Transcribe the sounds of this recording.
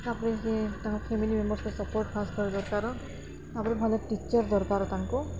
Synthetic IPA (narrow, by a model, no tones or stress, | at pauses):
apniketãkpʰemilimembɔɾskɔsɔpɔɹʈ̚pʰaskɔɹɛd̪ɔɾkaɾɔ | apnibʱalɔʈit͡ʃɔɹd̪ɔɹkaɾɔtaŋku